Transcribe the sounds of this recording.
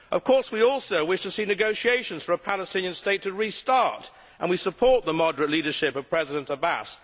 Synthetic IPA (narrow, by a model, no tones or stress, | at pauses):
ʔʌv̥kʰɔɹswiɔlˠsoʊwɪʃtʰɨsinɨɡoʊʃieɪʃɨ̃nz̥fə˞əpʰælˠəstɪ̃njɨ̃nsteɪtʰɨɹistɑɹɾ | ʔə̃nwisəpʰɔɹt̪̚ðəmɑdəɹɨtˡliɾə˞ʃɪpʌv̥pʰɹ̥ɛzɨɾɨ̃ntəbæ̰s